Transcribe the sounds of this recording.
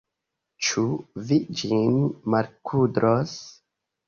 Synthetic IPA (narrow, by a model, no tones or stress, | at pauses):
t͡ʃuvid͡ʒinmaɾkʰudɾʔos